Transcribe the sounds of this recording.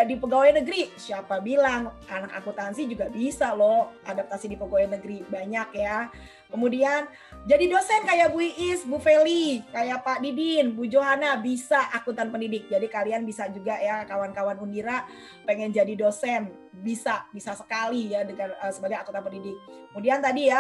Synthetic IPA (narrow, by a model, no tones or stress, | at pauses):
dipəɡawajanəɡɾisiapabilaŋanaka̰kut̪ansɪhd͡ʒuɡabisalɔʔadap̚t̪asidipəɡawjnəɡɾibaɲakja | kəmudian | d͡ʒadidosɛnkajabuiʔɪsbufelikajapadidinbud͡ʒoɦanabisaʔakut̪anpəndidɪk̚d͡ʒadikalianbisad͡ʒuɡajakawankawanundiɾa | peŋɛnd͡ʒadidosɛn | bisabisasə̥kalijadəɡarəsəbaɡajakut̪anpəndidɪk̚ːkːəmudiant̪adija